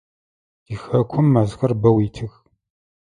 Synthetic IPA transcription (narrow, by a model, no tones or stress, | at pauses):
d̥iːxɐkʷʰʊmːɐzxɐrbɐwiːtʰɨɣ